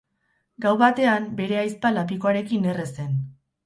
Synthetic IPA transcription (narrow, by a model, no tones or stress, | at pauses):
ɡawβat̪e̞ambe̞ɾe̞ajspalap̬iko̞aɾe̞kine̞re̞se̞n